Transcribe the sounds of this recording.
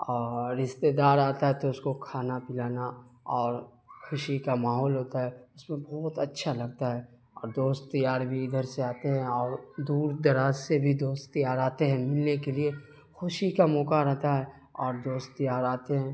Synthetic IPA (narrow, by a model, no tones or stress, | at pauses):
ɔːɾːɪʃt̪ed̪aːɾaːt̪aɦɛt̪oʊskokʰaːnapɪlaːnaɔːɾ | xʰʊʃikamaːɦɔːlɦoːt̪aɦɛʊsmẽbɔːt̪ɐtːʃʰalɐɡ̚t̪aɦɛ | ɔːɾd̪oːst̪t̪ɐjaːɾbʱiɪd̪ʱəɾseaːt̪eɦɛ̃ɔːɾd̪uːɾd̪ɐɾaːzsebʱid̪oːst̪t̪ijaːɾaːt̪eɦɛ̃mɪlnekelie | xʊʃikamɔːkaɾɛɦt̪aɦɛ | ɔːɾd̪oːst̪t̪ːijaːɾaːt̪eɦɛ̃ː